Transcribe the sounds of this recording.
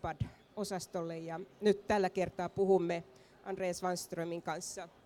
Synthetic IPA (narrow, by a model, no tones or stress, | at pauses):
pɑd | osɑst̪olːejjɑnyt̪t̪ælːækert̪ɑːpuhumːe | ʔɑndreːɑsʋɑnst̪rømiŋkɑnsːɑ